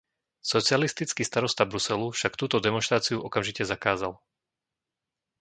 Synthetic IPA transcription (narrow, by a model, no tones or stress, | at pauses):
sɔt͡sialist̪it͡skist̪aɾɔst̪abɾusɛlufʃak̚t̪uːt̪ɔd̪ɛmɔnʃt̪ɾaːt͡siuʔɔkamʒicɛzakaːzal